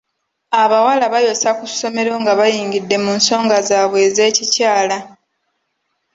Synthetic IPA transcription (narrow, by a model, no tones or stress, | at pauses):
aβawalaβajo̞sakuso̞me̞ɾo̞ŋɡaβajiːŋɟidːe̞munso̞ːŋɡazaːβwe̞ːze̞ːcicaːla